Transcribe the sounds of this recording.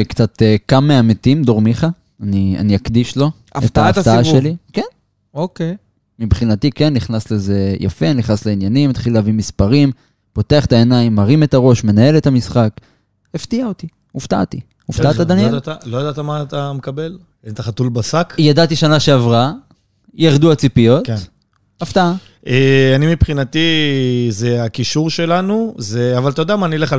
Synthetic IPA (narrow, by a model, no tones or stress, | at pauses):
kt͡sat̪kamːeamet̪imd̪oʁmiχa | ania̰niakd̪iʃlo̞ | et̪aft̪aaʃeliken | oke | mibχinat̪ikenːiχnasle̞ze̞ja̰fe̞niχnasleinjanimet̪χileavimispaʁim | po̞teaχet̪ae̞najimːaʁime̞t̪aʁo̞ʃme̞nae̞le̞tamisχak | eft̪iaot̪i | uft̪a̰ʔt̪i | ufat̪adaneldat̪alojad̪at̪amat̪amekabel | ent̪aχat̪ulbasakjadat̪iʃanaʃeavʁa | jaʁd̪uat͡sipijo̞t̪ | aft̪aa | ʔeanimipχinat̪izeakiʃuʁʃe̞lanuzeavalt̪ajod̪eamaːnileχ